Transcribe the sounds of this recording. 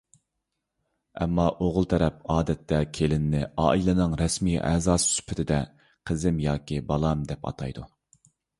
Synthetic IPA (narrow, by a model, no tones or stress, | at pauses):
ɛ̰mːɑʔoʁʊlˠt̪ʰɛɾɛp̚ɑːd̪ɛt̪ʰːɛkʲʰelɪnːɪɑ̰ːilˠɨnɨŋɾɛsmijʔɛ̰ːzɑːssy̥pʰːɪt̪ʰɪd̪ɛ | qʰəzɪmjɑːkʲibɑlˠɑmd̪ɛpɑ̰t̪ʰɑjd̪u